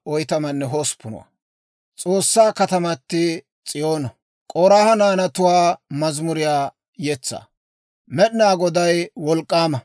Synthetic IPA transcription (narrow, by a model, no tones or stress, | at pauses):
ʔɔjt̪ɐmɐnːɛɦoːspːʊnʊ̰wa̰ | t͡sʼo̞ːsːaːkɐt̪ɐmɐt̪ːɪ | t͡sʼɪjoːnɐ | kʼɔɾaːhɐnaːnɐt̪ʊwaːmɐzmʊɾɪjaː | jɛt͡sːa̰ː | mɛɗnaːɡɔd̪ɐjwɔlkʼːaːmɐ